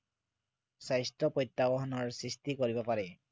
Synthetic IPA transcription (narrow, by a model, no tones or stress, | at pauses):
sajstɔpojt̪ːabɔɦɔnɔɹsɹistikoɹibɔpaɹɛ